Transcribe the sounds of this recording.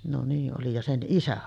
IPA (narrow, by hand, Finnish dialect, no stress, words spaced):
no niː ʔoli jɑ sen ʔisæ